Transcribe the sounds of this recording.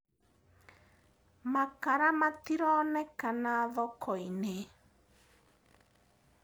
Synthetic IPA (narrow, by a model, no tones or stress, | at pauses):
makaɾamatiɾɔnɛkanaðɔkʰɔine